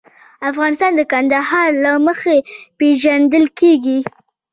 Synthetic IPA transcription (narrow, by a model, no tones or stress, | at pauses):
afɣɑnɪst̪ɑnd̪əkand̪ahɑɾlaməxepeʒand̪əlkeɡi